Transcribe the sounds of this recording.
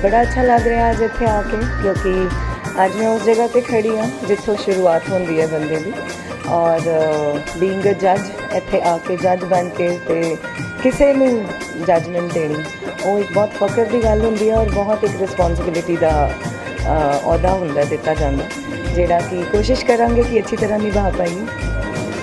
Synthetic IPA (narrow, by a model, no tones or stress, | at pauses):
bəɽaːətːʃʰaːləɡɾəɦaːəd͡ʒɪt̪ʰːeːaːkeːkjõːkɪəd͡ʒjẽːʊsd͡ʒeːɡaːk̪ekʰəɽiːɛ̃ːd͡ʒɪt̪ʰːõːʃʊɾuːaːt̪ɦʊ̃nd̪iːɛːbənd̪ə̃ːd̪iː | ɔːɾ | lĩːŋɡəd͡ʒəd͡ʒ | ɪt̪ʰːeːʔaːkeːd͡ʒəd͡ʒbənkeːt̪eːkɪseːnũː | d͡ʒəd͡ʒməɳʈeːnĩː | oːɪk̚bɔːt̪fəkəɾd̪iːɡəlɦʊ̃nd̪iːɛːɔːɾbɔːt̪ɪkɾɪspɔ̃ːnsɪbɪlɪʈiːd̪aː | ɔːd̪aːɦʊ̃nd̪aːd̪ɪt̪ːaːd͡ʒãːnd̪aː | d͡ʒeːɽaːkikoːʃɪʃkəɾãːŋɡeːkiətːʃʰiːt̪əɾãːnĩːbaːt̪aːiɛː